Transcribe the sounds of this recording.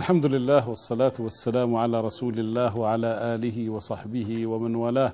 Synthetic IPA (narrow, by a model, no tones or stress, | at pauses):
alħamd̪ʊlɪlːaːhwɑsˤːɑlaːt̪wasːalaːmʕalaːɾˤɑsuːlɪlːaːhwaʕalaːʔaːlɪɦɪwɑsˤɑħbɪhɪwamanwaːlaːh